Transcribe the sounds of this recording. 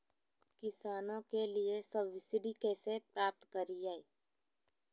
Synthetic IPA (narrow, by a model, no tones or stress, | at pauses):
kɪsaːnõkeliesəbʋɪsɪɖikɛːsepɾaːp̚t̪kəɾid͡ʒaːiː